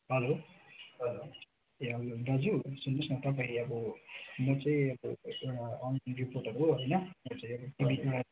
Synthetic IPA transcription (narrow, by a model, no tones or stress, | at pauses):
ɦʌloʌ | eɦʌlorʌd͡zusunːʌsnʌt̪ʌp̬aĩʌbʌmʌt͡saĩʌbʌewɽaʌnriporʈʌɾuɦʌjnʌmʌt͡saĩʌbʌkibiewɽa